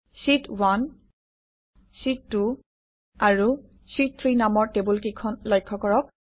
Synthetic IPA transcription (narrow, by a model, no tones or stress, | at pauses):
sitwan | sitːu | aɹu | sit̚t̪ʰɹinamɔɹtebulkikʰɔnlɔjkʰːɔkɔɹɔk̚